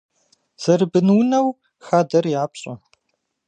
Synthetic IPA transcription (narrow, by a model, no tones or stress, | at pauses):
z̥ɐrɨbɨnwnɐw | xaːdɐrjaːpɕʼɐ